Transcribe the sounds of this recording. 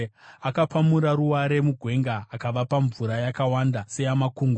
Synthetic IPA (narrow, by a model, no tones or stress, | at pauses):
akapamuɾaɾuwaɾe̞muɡʱwe̞ŋɡaːkaʋapaɱvuɾajakawandasejamakuːŋɡo